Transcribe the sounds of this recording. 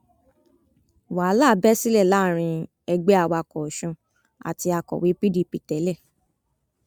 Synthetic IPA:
wa˨˦la˦˨bɛ˦si˦lɛ˦˨la˦˨ɾ̃ĩ˧ | ɛ˧ɡ͡bɛ˦a˧wa˧˨kɔ˨ʃɔ̃˧ | a̰˨ti˧a˧kɔ̰˨wi˨˦pi˦di˦˨pi˨tɛ˨˦lɛ˦˨

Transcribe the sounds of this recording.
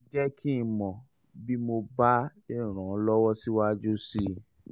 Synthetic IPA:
d͡ʒɛ˦kʰi˦˧mɔ̃˨ | bi˦mo˧ba˦i˦˨ɾ̃ã˨˦lɔ˦wɔ˦si˦wa˦d͡ʒu˦si˦

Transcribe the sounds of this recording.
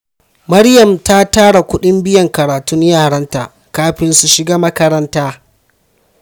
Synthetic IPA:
mɐ˦ɽjɐ˨mta˦taː˦ɽa˨kʷʊ˦ɗɪ˦mbɪ˦jɐ˨ŋkɐ˨ɾaː˨tʊ˦ɲjaː˦˨ɽɐ˦nta̰˨ | kaː˦ɸɪ˦nsu˨ʃɪ˦ɡaː˦mɐ˦kɐ˦ɾɐ˦ntaː˦

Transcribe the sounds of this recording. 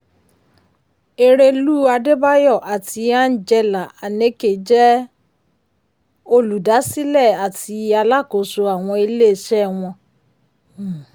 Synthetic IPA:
e˧ɾe˧luː˦a˧de˦ba˦jɔ˦˨ʔa˨tʰi˧a˦n̩˦d͡ʒɛ˧la˨a˨nẽ˨˦ke˨d͡ʒɛ˦ | o˧lu˨da˨˦si˦lɛ˦˨a˨tʰi˧a˧la˦˨ko˨so˧a˨w̃ɔ̃˧i˧le˦˨ʃɛ˦˨w̃ɔ̃˧

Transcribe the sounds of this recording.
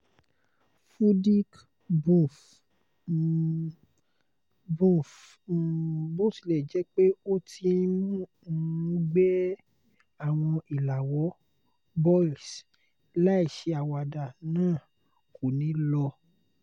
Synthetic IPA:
fu˦di˦k | bũ˦˨f | bũ˦˨f | bo˦˨si˨lɛ˨d͡ʒɛ˨˦k͡pe˦o˦ti˧˦˧ĩ˧˦mũ˦˨˧ | ɡ͡bɛ˦ | a˦˨w̃ɔ̃˧i˨la˨wɔ˨˦ | bɔ˦i˨s | la˦i˦˨ʃe˧˦a˨wa˧da˨nãː˦˨ | ko˨nĩ˨˦lɔ˧

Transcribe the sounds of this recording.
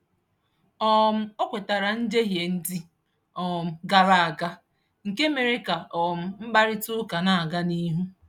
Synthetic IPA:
ɔ˦˨m̩˦o˦kʷe˨ta˨ɾa˨n̩˦d͡ʒe˦ɦje˨n̩˦di˦ | ɔ˨m̩˨ɡa˨ɾa˨a˨ɡa˦ | ŋ̩˨ke˦me˨ɾe˦ka˨ʔɔ˨m̩˦m̩˦ba˦ɾɪ˦tʊ˦ka˨na˦˨a˨ɡa˦ni˦ɦu˦

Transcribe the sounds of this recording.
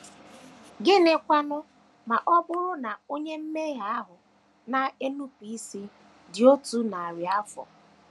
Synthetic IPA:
ɡɪ˦ne˨kʷa˦nʊ˦ | ma˨ʔɔ˦ɡ͡bʊ˦ɾʊ˦na˨o˦ɲe˦m̩˦me˦ɦa˦a˦ɦʊ˨ | na˨e˦nu˦pi˦si˦ | dɪ˨o˦tu˦na˨a˨ɾi˨a˦fɔ̰˨

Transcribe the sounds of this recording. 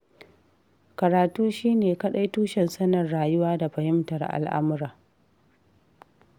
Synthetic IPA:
kɐ˨ɾaː˨tuː˦ʃiː˦neː˨kɐ˦ɗa˦jtuː˦ʃɛ˨nsɐ˦nɐ˨rːaː˨jʊ˦waː˦da˨ɸɐ˨hɪ˦mtɐ˨rʔa̰˨lʔa̰˦mʊ˦ɾaː˨

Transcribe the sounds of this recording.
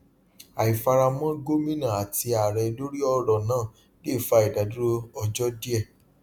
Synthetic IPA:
a˨i˨fa˧ɾa˧mɔ̃˦ɡo˦mĩ˦nã˦˨a˨ti˧a˨ɾɛ˧lo˦ɾi˦ɔ˧ɾɔ˨nãː˦˨ | le˦˨fa˧˦i˨da˨˦du˦ɾo˦ɔ˧d͡ʒɔ˦di˦ɛ˦˨

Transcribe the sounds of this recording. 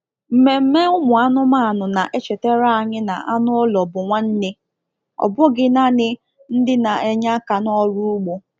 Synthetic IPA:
m̩˨me˨m̩˦me˦ʊ˦mʊ˨a˦nʊ˦ma˦a˨nʊ˨na˨ʔe˦t͡ʃe˨te˦ɾa˦a˨ɲɪ˦na̰˨ʔa˦nʊ˦ɔ˦lɔ˨bʊ˨ŋʷa˦n̩˦ne˦ | ɔ̰˨bʊ˦ɡɪ˦na˦nɪ˦ | n̩˦dɪ˦na˨e˨ɲa˦ka˨nɔ˦ɾu˦ʊ˦ɡ͡bo˨

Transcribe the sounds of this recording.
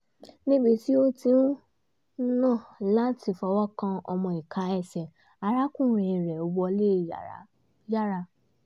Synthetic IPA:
nĩ˦ɡ͡bi˧ti˦o˦tĩ˧˦u˦ | nã˦˨la˦ti˧fɔ˧wɔ˦kã˧ɔ̰˧mɔ̃˧˨i˨kʰa˨˦ɛ˧sɛ˨ | a˧˨ɾa˦kũ˦˨ɾɛ˨ɾɛ˨o˨˧wɔ˧le˦˨ | ja˦ɾa˧

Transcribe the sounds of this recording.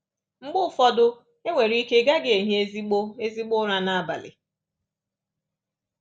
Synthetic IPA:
ŋ͡m̩˦ɡ͡bʊ˦fɔ˦dʊ˦ | e˦ŋʷe˨ɾi˦ke˦ɡa˦ɡe˨e˨ɦe˦e˦zi˦k͡po˦e˦zi˦k͡po˦ɾa˦na˦a˦˨ba̰˨lɪ̰˨

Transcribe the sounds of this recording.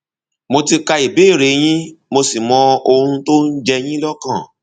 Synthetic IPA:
mo˧ti˧ka˧i˨be˨˦˨ɾe˨˦j̃ĩ˦mo˧si˨mɔ̃˧o˧ɾ̃ũ˧to˦n̩˦d͡ʒɛ˧j̃ĩ˦lɔ˦kã˦˨

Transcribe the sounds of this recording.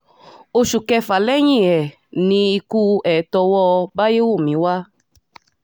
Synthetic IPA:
o˧ʃu˨kɛ˧fa˨lɛ˦ɲ̃ĩ˦˨ɛ˨ | nĩ˧i˧ku˦ɛ˨˦tɔ˧wɔ˦ba˦je˦wo˦˨mĩ˨˦wa˦

